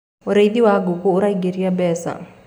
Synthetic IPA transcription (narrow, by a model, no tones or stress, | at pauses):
oɾed̪iwaɡokouɾaiɡeɾiabɛsa̰